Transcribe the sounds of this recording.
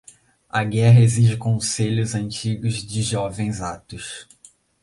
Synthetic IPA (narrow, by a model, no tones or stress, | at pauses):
ɐɡɛɦɐeziʒɪkõseʎʊzɐ̃nt͡ʃiɡʊzd͡ʒɪʒɔvẽj̃zat̪ʊs